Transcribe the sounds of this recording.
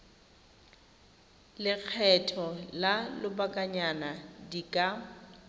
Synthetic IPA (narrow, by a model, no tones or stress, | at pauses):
lɪk͡xʰɛtʰɔlalʊbakʼaɲanadikʼa